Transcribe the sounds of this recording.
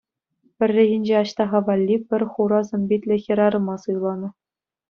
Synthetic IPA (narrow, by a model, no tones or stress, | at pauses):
pʲɘ̆rʲːɘ̆ʑĭnʲd͡ʑeɑɕt̪ɑʁɑʋɑlʲːipʲɘ̆rʲχuɾɑzʲɘ̆mʲbʲit̪ʲlʲɘ̆xʲɘ̆ɾɑɾɤ̆mɑsɯjlˠɑnɤ̆